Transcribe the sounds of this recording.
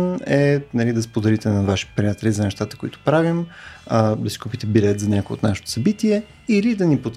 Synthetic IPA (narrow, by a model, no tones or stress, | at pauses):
nɛnɐlid̪ɐspod̪ɛɾit̪ɛnɐvaʃi̥pɾijʲat̪ɛlizɐnɛʃt̪at̪ə̥kʊit̪ʊ̥pɾavim | d̪ɐsi̥kupit̪ɛbilɛt̪zɐnʲakoj̰o̰t̪naʃe̥t̪o̥ʊ̥sɐbit̪iɛ | ilid̪ɐnipot̪